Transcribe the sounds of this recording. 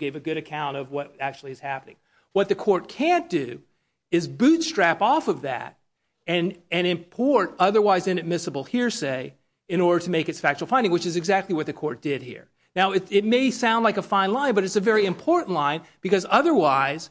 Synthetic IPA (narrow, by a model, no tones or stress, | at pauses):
ɡ̥eɪvɨɡʊɾɨkʰãʊ̃ñʌvwʌɾæk̚t͡ʃʉl̩ˠiɨz̥hæpənɪ̰̃ŋ | wʌt̪̚ðɨkʰɔɹt̚kʰæ̃nd̥ʉ | ɪzbʉtstɹ̥æpɔfʌvðæ̰ɾ̚ | ɨ̃nɨ̃ñɨ̃mpʰɔɹɾʌðə˞waɪzɨ̃nɨd̚mɪsəbl̩ˠhiɹseɪ | ɨ̃ñɔɹɾə˞ɾɨmeɪkɨtsfæk̚t͡ʃʉl̩ˠfãɪ̃ndɪ̃ŋwɨt͡ʃɨzɨɡzæk̚tˡliwʌt̪̚ðɨkʰɔɹt̚d̥ɪd̚hḭɹ | naʊɨtɪt̚meɪsãʊ̃ndˡlaɪkəfãɪ̃nlãɪ̃nbʌɾɨtsɨvɛɹiɨ̃mpʰɔɹʔn̩ʔˡlãɪ̃nb̥ɨkʌzʌðə˞waɪz̥